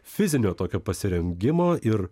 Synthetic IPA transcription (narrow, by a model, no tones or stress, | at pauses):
fʲɪzʲɪnʲoːt̪oːkʲoːpɐsʲɪɾʲɛŋʲɡʲɪmoːʔɪɾ